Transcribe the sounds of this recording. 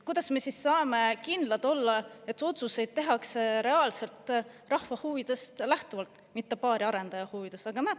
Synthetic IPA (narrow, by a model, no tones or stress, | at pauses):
kujd̪̥ɑsme̞sisːɑːme̞kind̪̥lɑd̪o̞lːɑe̞t̪ːˑo̞t̪suse̞jd̪̥̚t̪e̞ɦɑkseɾe̞ɑːlse̞lt̪ˑ | rɑhvɑhuːvid̪̥e̞st̪læht̪uvɑlt̪ | mit̪ːe̞pɑːɾiɑɾe̞nd̪ɑjɑhuvid̪̥e̞sɑɡ̥ɑnæ̥